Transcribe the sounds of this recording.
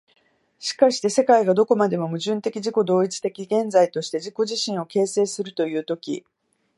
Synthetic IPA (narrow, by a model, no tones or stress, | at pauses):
ɕi̥kaɕi̥t̪e̞se̞kaiɡad̪o̞ko̞mad̪e̞mo̞mɯ̟ʑɨ̃nt̪e̞kʲiʑiko̞d̪o̞ːit͡si̥t̪e̞kʲiɡẽ̞nd͡zait̪o̞ɕi̥t̪e̞ʑiko̞ʑiɕĩɰ̃o̞ke̞ːse̞ːsɨɾɯ̟t̪o̞jɯ̟ːt̪o̞kʲḭ